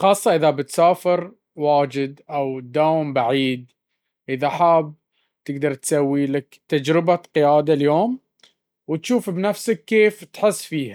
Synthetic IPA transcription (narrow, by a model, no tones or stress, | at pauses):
xɑːsˤːɑʔɪðabɪt̪saːfɪɾ | waːd͡ʒɪd̪ʔawd̪aːwɪmbaʕiːd̪ | ʔɪðaħaːb̚ | t̪ɪɡd̪ɑɾˤt̪sawːilakt̪ad͡ʒɾɪbaqɪjaːd̪aljoːm | wɪt̪ʃuːfbnafsakːeːft̪ħɪsːfiːha